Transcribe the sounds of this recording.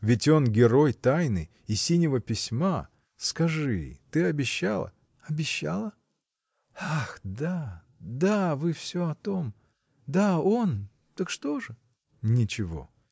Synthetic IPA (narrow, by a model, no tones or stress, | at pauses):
vʲɪtʲo̞nɡʲɪɾo̞jt̪ajnɨj | ɪsʲinʲɪvəpʲɪsʲma | skɐʐɨ̰t̪ɨɐbʲɪɕːalˠə̰ | ɐbʲɪɕːa̰lˠə | axd̪a | d̪avɨfsʲoɐt̪om | d̪ao̞n | t̪əkʂt̪o̞ʐɨ | nʲɪt͡ɕɪvo̞̰